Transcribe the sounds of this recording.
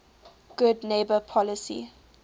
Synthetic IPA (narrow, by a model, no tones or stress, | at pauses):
ɡ̥ʊdneɪbəpʰɔləsḭ